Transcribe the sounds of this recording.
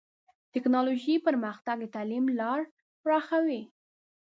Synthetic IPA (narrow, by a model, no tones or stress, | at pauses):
t̪ɪknɑloʒipəɾməxt̪aɡ̪̚ət̪ɑlimlɑɾ | pɾɑxawi